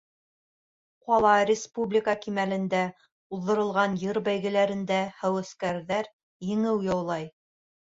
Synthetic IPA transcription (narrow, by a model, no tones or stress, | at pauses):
qɒlˠɑɾʲɪspublʲikəkimælɘ̆nd̪æ | ulːɤ̆ɾɤ̆lˠʁɑnjɤɾbæjɣɘ̆læɾɘ̆nd̪æhæwɘ̆skæɾðæɾ | jɘ̆ŋɘwjɑwlˠɑj